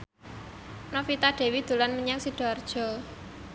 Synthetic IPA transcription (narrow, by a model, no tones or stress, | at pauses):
nɔfit̪aɖ̥e̤wid̪̥ṳlanməɲaŋsiɖ̥ɔ̤rd̥ʒ̥ɔ̤